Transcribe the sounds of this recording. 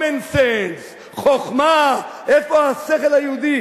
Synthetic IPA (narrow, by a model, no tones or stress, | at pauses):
ensens | χoχmaʔefoaseχelhajeud̪i